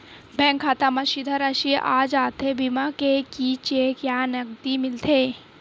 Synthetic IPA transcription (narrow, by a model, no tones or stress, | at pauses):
bʱɛ̃ːŋkʰːaːt̪amaʃid̪ʱəɾaʃiʔa̰ːd͡ʒaːt̪ʰebimakekit͡ʃekjaːnɐɡt̪imɪlt̪ʰeː